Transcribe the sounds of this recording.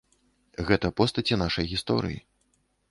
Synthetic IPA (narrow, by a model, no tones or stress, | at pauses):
ɣɛt̪ɐpɔst̪ɐt͡sʲinaʂɐjɣʲist̪ɔ̰ɾɨ̰jḭ